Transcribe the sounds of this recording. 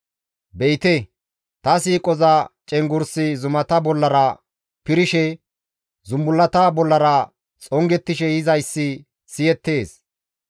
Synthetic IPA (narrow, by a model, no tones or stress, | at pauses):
bɛjt̪ɛ | t̪ɐsiːkʼɔzɐt͡ʃʼɛŋɡʊɾsɪzʊmɐt̪ɐbɔlːɐɾɐ | pɪɾɪʃɛ | zʊmbʊlːɐt̪ɐbɔlːɐɾɐ | t͡sʼɔŋɡɛt̪ːɪʃɛjɪzɐjsːɪ | sɪjɛt̪ːe̞ːs